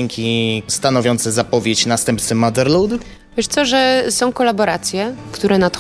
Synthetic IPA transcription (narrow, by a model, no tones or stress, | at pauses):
ŋkʲist̪anɔvʲjɔnt̪sɛzapɔvʲjet͡ɕnast̪ɛmpt̪sɛmad̪ɛɾlud̪ | vʲjɛʂt̪sɔʐɛsɔ̃w̃kɔlabɔɾat̪sʲjɛkt̪uɾɛnat̪